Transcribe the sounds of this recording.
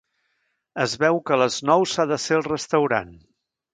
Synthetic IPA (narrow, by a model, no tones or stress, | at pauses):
əzβɛwkələznɔwsaðəseəlˠrəst̪əwɾa̰n